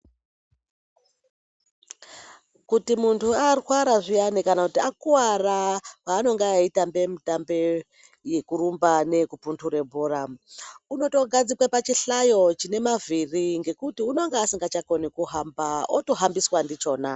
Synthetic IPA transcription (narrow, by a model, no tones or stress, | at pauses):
kutimuntʰuarwaɾaʐijanikanakutiakuwarapaːno̞ŋɡaaitambe̞mitambe | jekuɾumbane̞kupuntʰuɾe̞bʱuramuno̞to̞ɡʱad͡zikwapat͡ʃiɬajo̞t͡ʃine̞maviriŋɡe̞kutiuno̞ŋɡeasiŋɡat͡ʃako̞nikuɦambaoto̞ɦambiswandit͡ʃo̞ːna